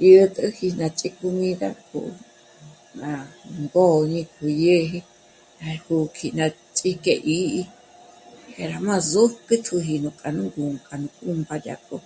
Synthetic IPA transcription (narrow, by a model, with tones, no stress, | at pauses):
jə˧t̪ʼɨ˦hi˧nã˧t͡ʃʼi˦ku˧mĩ˦ða̰˦kʰṵ˧ | nã˧ŋɡo˦˨ɲĩ˧kʰu˧˨je˦ɦi˧ | ã˧hu˧kʰi˧nã˧ | t͡sʼi˦ke˧ʔi˦ʔi˦ | he˧ɾa˨mã˦˧zo˦kɨ˦t̪ʰu˧ɦi˧nũ˧˨kʼa˨nũ˦ŋɡu˨ŋkʼa˨nũ˧˨kʼũ˧mba˧d̪ja̰˧˨kʼo̰˦